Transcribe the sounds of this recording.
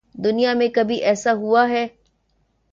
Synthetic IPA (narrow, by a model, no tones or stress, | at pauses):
d̪unijaːmẽkɐbiʔɛːsaɦuaːɦɛː